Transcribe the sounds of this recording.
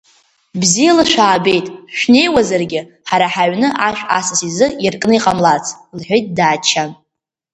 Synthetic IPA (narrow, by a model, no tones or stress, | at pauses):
bzijalɨʃʷᶣaːbe̞jtʼʃᶣne̞jwazarɡʲɪ | ħaɾaħaʕʷnɨʔaʃᶣa̰sasizɨirkʼnɨiqʼamlat͡sʰ | lħʷᶣejt̚ʼdaːt͡ʃʰan